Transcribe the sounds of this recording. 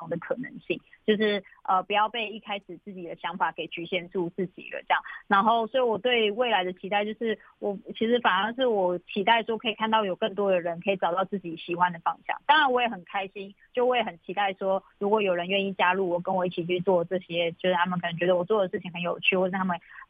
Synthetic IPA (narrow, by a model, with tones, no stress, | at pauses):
ʊ˨˩ŋd̪ə˩kʰɤ˨˩nə̰˧˦ŋɕi˥˩ŋt͡ɕjo˥˧ʊʂɻ̩˥˩ə˧pu˨˦jɑ˥˧ʊpe˥˧ɪi˥˩kʰa˥ɪʂɻ̩˨˩t͡sɹ̩˥˩t͡ɕi˨˩d̪ə˦ɕjɑ˧˥ŋfa˨˩ke˨˩ɪt͡ɕy˧˥ɕjɛ˥˧nt͡su˥˧t͡sɹ̩˥˩t͡ɕḭ˨˩lə̰˦ʈ͡ʂɤ˥˧jɑ̰˥˨˩ŋna˧˥nxo˥˩ʊswɔ˧˥i˧˥wɔ˨˩t̪we˥˩˧ɪwe˥˩ɪla˧ɪd̪ə˨t͡ɕʰi˧˥a˥˧ɪt͡ɕjo˥˧ʊʂɻ̩˥˩ | wʔɔ˨˩t͡ɕʰi˧˥ʂ̬ɻ̩˧˥fa˨˩nə˥ŋʂ̬ɻ̩˥˩wɔ˨˩t͡ɕʰi˧˥t̪a˥˩ɪʂwɔ˥kʰɤ˧˥i˨˩kʰa˥˧nt̪ɑ˥˩ʊjo˨˩ʊkə˥˩ŋt̪̬wɔ˥d̪ə˨˩ɻə˧˦nkʰə˧˥i˨˩ʈ͡ʂɑ˨˩ʊt̪ɑ˥˧ʊt͡sɹ̩˥˩t͡ɕi˨˩ɕi˨˩xwa˦nd̪ə˨fɑ˥ŋɕjɑ̰˥˩ŋt̪ɑ˥ŋɻa˧˦nwɔ˧˥jɛ˨˩xə˨˩nkʰa˥ɪɕi˦˥nt͡ɕjo˥˧ʊwɔ˧˥jɛ˨˩xə˨˩nt͡ɕʰi˧˥t̪a˥˩ɪʂwɔ˥ɻu˧˥kwɔ˧˩jo˨˩ʊɻə˧˦nɥɛ˥˧ni˥˩t͡ɕja˥lu˥˩wɔ˨˩kə˧˥nwɔ˨˩i˥˩t͡ɕʰi˨˩t͡ɕʰy˥˧t͡swɔ˥˧ʈ͡ʂɤ˥˧ɕjɛ˥t͡ɕjo˥˧ʊʂ̩˥˩t̪a˥mə˨nkʰə˨˩nə˧˦ŋt͡ɕɥɛ˧˥də˧wɔ˨˩t͡swɔ˥˩d̪ə˩ʂɻ̩˥˩t͡ɕʰi˨ŋxə˧˦njo˨˩ʊt͡ɕʰy˥˩wɔ˥˧˩ʂ̩˥˩t̪ʰa˥mə˨n